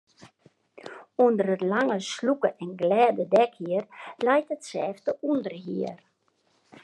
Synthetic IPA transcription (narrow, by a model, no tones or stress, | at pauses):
undərətlaŋəslukəʔɛnɡlɛːdədɛkhiərlɛjtətsɛːftəʔundərɦiər